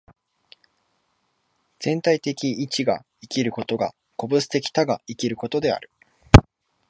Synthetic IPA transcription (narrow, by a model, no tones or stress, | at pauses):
z̥ẽ̞nt̪ait̪e̞kʲiːt͡ɕiɡa̰ | ikʲiɾɯ̟ko̞t̪o̞ɡa̰ | ko̞bɯ̟sɨ̥t̪e̞kʲi̥t̪aɡaikʲiɾɯ̟ko̞t̪o̞d̪e̞a̰ɾɯ̟